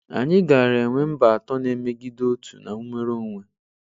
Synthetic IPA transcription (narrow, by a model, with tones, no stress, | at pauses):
a̰˨ɲɪ˦ɡa˨ɾe˨ŋʷe˦m̩˦ba˨a˨tɔ˦ne˦me˦ɡi˦do˦tu̥̰˨na̰˨u˦me˦ɾo˦ŋʷe˨